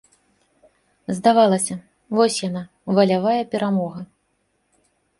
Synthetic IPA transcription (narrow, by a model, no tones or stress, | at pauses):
zd̪avalˠɐsʲɐ | vɔsʲjana | vɐlʲavajɛpʲɛɾamɔɣɐ